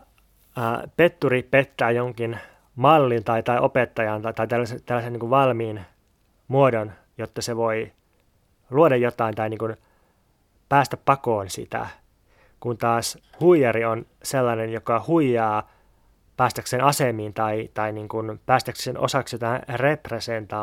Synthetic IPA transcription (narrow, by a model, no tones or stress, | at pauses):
pet̪ːuripet̪ːæːjoŋkin | mɑlːint̪ɑit̪ɑiʔopet̪ːɑjɑnt̪ɑt̪ɑit̪ælːæset̪ælːæseniŋkuʋʋɑlmiːn | muodon | jot̪ːɑseʋoi | luodɑjjot̪ɑint̪ɑiniːŋkun | pæːst̪æppɑkoːnsḭt̪æ̰ | kunt̪ɑːshuijɑɾion | selːɑnenjokɑhuijɑː | pæːst̪ækseːnɑsemiːnt̪ɑit̪ɑiniːŋkunpæːst̪ækseːnʔo̰sɑksjot̪ɑnrepresent̪ɑː